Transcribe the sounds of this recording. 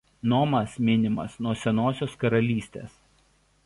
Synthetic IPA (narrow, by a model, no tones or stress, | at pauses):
noːmɐsmʲɪnʲɪmɐ̰snuɔsʲɛnoːsʲoːskɐɾɐlʲiːsʲt̪ʲḛːs